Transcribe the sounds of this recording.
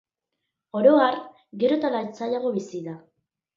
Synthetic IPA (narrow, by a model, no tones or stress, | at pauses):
o̞ɾo̞aɾ | ɡe̞ɾo̞t̪alaet͡saʎaɣo̞βisiða